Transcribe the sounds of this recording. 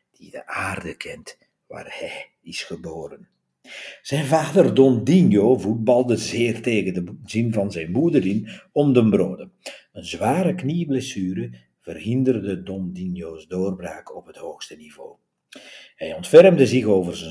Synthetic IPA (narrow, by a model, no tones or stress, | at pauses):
d̥idə̰ʔaːrdəkʰɛnt | ʋa̰ːrhɛj | ɪsxəboːrən | z̥ɛjnvaːdərdɔndinjoːvut̚bɑlˠdəzɪːrteːɣəndəzinvɑnzɛjnbuədərɪnɔmdəmbroːdəənzʋaːɾəkniəblesyːɾə | v̥ərhɪndərdədɔndinjoːsdoːrbraːkɔpɦəthoːxstənivoː | hɛjɔntfɛrmdəzɪɣoːvərzə